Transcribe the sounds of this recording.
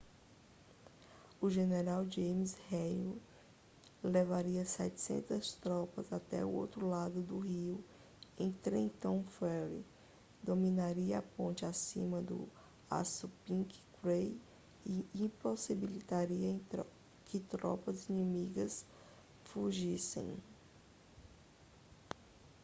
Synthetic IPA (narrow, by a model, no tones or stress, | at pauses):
ʊʒeneɾawd͡ʒẽjmisheju | levaɾiɐsɛ̰t͡ʃɪ̥sḛ̃nt̪ɐst̪ɾɔpɐzat̪ɛ̰ʊ̰o̰wt̪ɾʊlad̪ʊd̪ʊɦiʊ | ẽj̃t̪ɾẽt̪õw̃fɛlḭ | d̪omĩnaɾiɐapõnt͡ʃɪasḭ̃mɐd̪ʊ̰ | a̰supĩkkɾej | ɪĩposibilit̪aɾiɐ̃ | kɪt̪ɾɔ̰pɐzinĩmiɡɐs | fuʒisḛ̃j̃